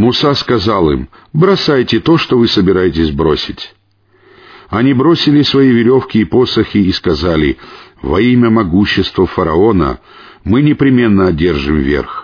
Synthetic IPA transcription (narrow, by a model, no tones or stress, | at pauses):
mʊsaskɐzalˠɨ̰m | bɾɐsajtʲɪt̪o̞ʂt̪ovɨsəbʲɪɾajɪt̬ʲɪsʲbɾo̞̰sʲɪtʲ | ɐnʲibɾo̞sʲɪlʲɪsvɐjivʲɪɾʲo̞fkʲɪːpo̞səxʲɪːskɐzalʲɪ̰vɐ̰imʲəmɐɡuɕːɪst̪vəfəɾɐo̞nə̰ | mɨnʲɪpɾʲɪmʲe̞nːəɐdʲe̞rʐɨmvʲḛrx